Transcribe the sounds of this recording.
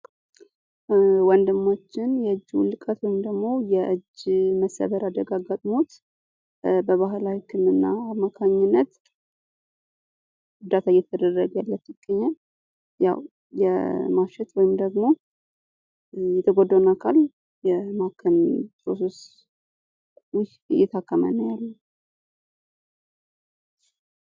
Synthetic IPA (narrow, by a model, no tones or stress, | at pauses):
wɔnd̪ɨmːat͡ʃːɪnjɛɨd͡ʒːw̰lːɨkʼət̪wɔjɪmd̪əɡmo̞jɛʔɨd͡ʒːməsə̰βəɾad̪əɡaɡat̪ʼmo̞t̪ | bəβaɦlawikʰɨmɨnːaːmːakʰaɲːɪnːət̪ | ʊd̪at̪ʰajɛt̪ʰːəd̪əɾəɡjalːət̪ːjɪɡ̥ːəɲːal | ja̰w | jɛ̰maʃɛt̪wɔjɪmd̪əɡmo̞ | jɛt̪ʰəɡod̪ːəwunakʰal | jɛmakʰənpʰɾoses | wʊj | jɛt̪ʰakːəmə̰nəwjalːə